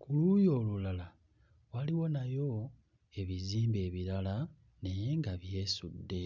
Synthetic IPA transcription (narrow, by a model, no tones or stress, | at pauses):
kulujo̞lulala | waliwo̞najo̞ | e̞βiziːmbe̞ːβiɾala | ne̞jŋɡaβje̞sudːe̞